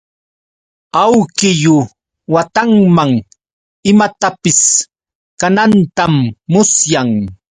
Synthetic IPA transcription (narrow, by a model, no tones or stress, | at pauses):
awkɪjʊ | wat̪aŋmaŋ | ɪmat̪apɪs | kanant̪amːʊsjaŋ